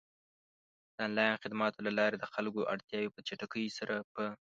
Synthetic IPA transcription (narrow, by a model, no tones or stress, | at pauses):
d̪̥anlɑjnxɪd̪mat̪olalɑɾed̪əxalkoʔa̰ɽt̪jɑwepət͡ʃaʈakəjsaɾʔapə